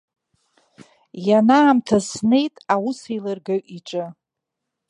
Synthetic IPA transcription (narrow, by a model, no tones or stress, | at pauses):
janaːmtʰasne̞jtʼawusejlarɡaɥʔiʈ͡ʂʼɨ